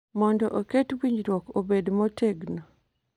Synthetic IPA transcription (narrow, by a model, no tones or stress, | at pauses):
mɔndɔʔoketwiɲd͡ʒɾwɔkobedmɔtʰeɡno